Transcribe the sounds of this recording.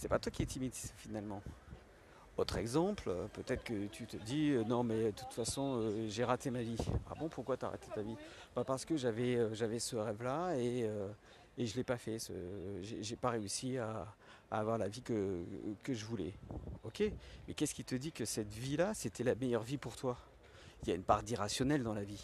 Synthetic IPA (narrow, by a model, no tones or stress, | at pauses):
sɛpat̪wakʲiɛt̪ʰimit̪i̥sfinalmɑ̃ | ot̪χɛɡzɑ̃pləpøt̪ɛt̪χə̥kət̪ʰyt̪əd̪iønɔ̃mɛd̪ət̪ut̪fasɔ̃øʒeʁat̪emavia̰bɔ̃puʁkwat̪ya̰ʁa̰t̪et̪avib̥apaʁsə̥kəʒavɛøʒavɛsəʁɛvlaeøː | ʒəlɛpafɛsə̰ʒeʒepaʁeysiaː | vwaʁlavikəkəʒəvulɛ̰ɔkʲemɛkʲɛskʲit̪əd̪ikəsɛt̪vilaset̪ɛlamejœʁvipuʁt̪wa | iljaynpaʁd̪iʁasjɔnɛld̪ɑ̃lavi